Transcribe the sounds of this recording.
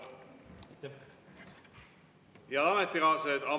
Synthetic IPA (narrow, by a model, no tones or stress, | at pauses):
jɑd̪ɑmɛt̪ːiɣɑːsed̪ɑ